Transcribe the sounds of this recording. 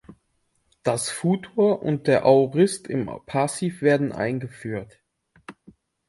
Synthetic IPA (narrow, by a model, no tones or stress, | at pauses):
d̥asfuːtʰoːɐʔʊ̰nt̚d̥eːɐʔaʁɪstɪ̰mpʰasiːfv̥eːɐdn̩ʔa̰ɪnɡəfyːɐt